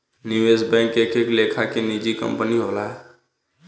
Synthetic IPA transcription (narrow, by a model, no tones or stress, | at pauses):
nɪʋeːsbɛ̃ːŋkekeklekʰakenid͡ʒikə̰̃mpəniɦolaɦɛ